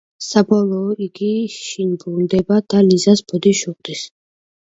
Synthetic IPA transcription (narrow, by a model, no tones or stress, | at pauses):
sabɔlˠɔːiɡiʃinbund̪ɛbad̪̥alizasb̥ɔd̪iʃuqʼd̪is